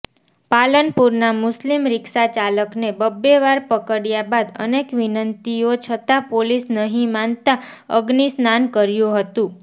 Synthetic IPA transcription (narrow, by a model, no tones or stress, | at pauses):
palənpuɾnamʊslimɾɪksat͡ʃaləknebəbːeʋaɾpəkəɽjabad̪ə̰nekʋinənt̪iot͡ʃʰət̪apolisnəɦĩmant̪aəɡnisnankəɾjũɦət̪ũ